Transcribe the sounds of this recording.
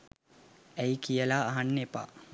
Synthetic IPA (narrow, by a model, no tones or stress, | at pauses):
æikijəlaːɦanːepa̰